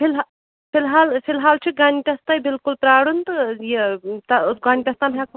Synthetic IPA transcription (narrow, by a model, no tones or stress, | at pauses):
pʰilɦa | pʰilɦaːlfʰilɦaːlt͡ʃʰiɡanʈʲɐst̪ajbɪlkulpɾaːɽunt̪ɨjet̪ɐɡaːnʈʲɐst̪aːnɦak